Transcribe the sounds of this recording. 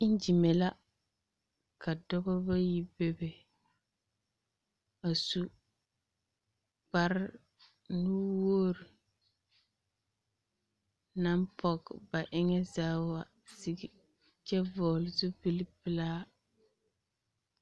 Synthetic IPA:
ɪ˦n˦d͡ʒi˨mɛ˨la˦ | ka˨dɔ˦bɔ˦ba˦ji˦be˦be˨ | a˨su˦ | b̥a˦ɾɪ˦ | nu˦woː˦ɾi˨ | na˦mpʰɔ˨ɡba˨ʔɪ˦ŋɛ˦zaː˦wa˨ | si˦ɡi˨ | t͡ʃɛ˦vɔː˨lzu˦pɨ˦li˦pɪ˦laː˦

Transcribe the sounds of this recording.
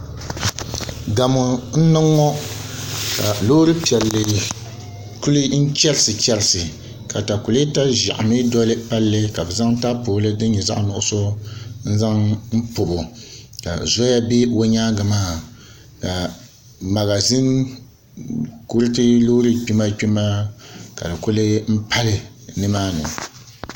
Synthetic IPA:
ɡa˨mo˨n̩˦nɨ˦ŋːɔ˦ | ka˨lo˦ɾɨ˦pi˨ɛ˨lːɨ˨ | ku˦lɨ˦n̩˦t͡ʃɛ˦lɨ˦sɨ˨t͡ʃɛ˦lɪ˨sɨ˨ | ka˨ta˨ku˨li˦ta˦ʒa̰˨ʔa˨mɨ˦dɔ˦lɨ˦pa˦lːɨ˦ka˨bɛ˨za˦ŋ˦ta˦poː˨˦lɨ˦dɨ˦ɲ˦ɲɛ˨za̰˦ʔnʊ˨ʔʊ˦˨so˦n̩˦za˦ŋm̩˦po˨bo˨ka̰˨zɔ˦ja˦be˦wo˦ɲaː˦ɡa˨maː˦˨ | ka˨ | ma˨ɣa˨zɨ˦n | ku˦ɾɨ˦tɨ˦lo˦ɾɨ˦k͡pi˦ma˦k͡pi˦ma˦ka̰˨dɨ˨kʊ˦lɨ˦m̩˦pʰa˦lɨ˨ | nɨ˦maː˦nɨ˨

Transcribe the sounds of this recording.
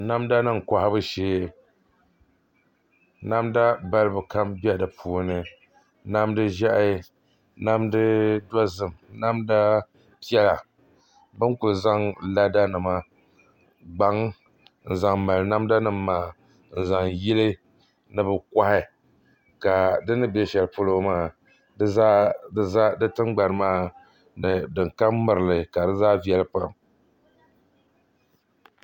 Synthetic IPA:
na˦mda˦nɨ˦ŋ˨kʷa˨ha˦bɨ˦ʃeː˦ | na˦mda˦ba˦lɨ˦bɨ˨ka˦mbi˦ɛ˦dɨ˨pʰuː˨˦nɨ˨ | na˦mdɨ˦ʒa˦ʔ | na˦mdɨ˦da˦zɨ˨mna˦mda˦ | pɛ˦la˨ | bɨ˦nkʊ˨lɨ˨za˦ŋla˦da˦nɨ˨ma˦ | ɡ͡ba˦ŋ | n̩˨za˨ŋma˨lɨ˨na˦mda˦nɨ˨mːaː˨ | n̩˨za˨ŋji˦lɨ˦ | nɨ˨bɨ˨ka˦hɪ˨ | ka˨dɨ˦nɨ˦be˦ʃɛ˨lɨ˨pʊ˦lo˦maː˦ | ɨ˦a˦a˦dɨ˦tɨ˦ŋɡ͡ba˨nɨ˨maː˦˨ | nɨ˨dɨ˨ŋka˦mmɨ˨ɾɨ˨lɨ˨ka˨dɨ˦zaː˦vi˦ɛ˦lɨ˦pa˦˨m

